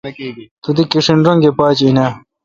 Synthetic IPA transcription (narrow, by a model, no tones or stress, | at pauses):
t̪ud̪ikiʂinɾɐŋɡepaːt͡ɕina